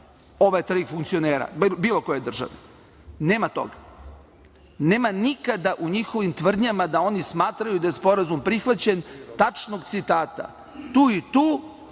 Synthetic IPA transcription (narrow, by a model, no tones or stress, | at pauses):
o̞ʋajet̪ɾiːfuŋkt̪sio̞neːɾa̰biːlˠo̞ko̞jed̪r̩ʒa̰ʋe | neːmat̪o̞̰ɡa | neːmanikad̪aʔuɲixo̞ʋimt̪ʋr̩d̪ɲamad̪ao̞nismaːt̪ɾajud̪ajespo̞ɾazumpɾixʋat͡ɕent̪at͡ʃno̞ɡt̪sit̪aːt̪a̰ | t̪uːit̪uː